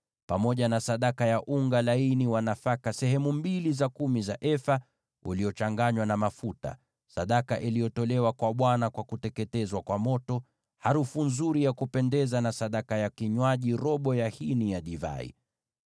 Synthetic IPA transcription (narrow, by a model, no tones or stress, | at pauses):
pamɔʄanasaɗakajaʔuŋɡalainiwanafakasɛhɛmumbilizakumizaʔɛfa | ṵlijɔt͡ʃaŋɡaɲwanamafuta̰ | saɗakaʔilijɔtɔlɛwakwaɓwanakwakutɛkɛtɛzwakwamɔtɔ | haɾufunzuɾijakupɛndɛzanasaɗakajakiɲwaʄiɾɔɓɔjahinijaɗiva̰ḭ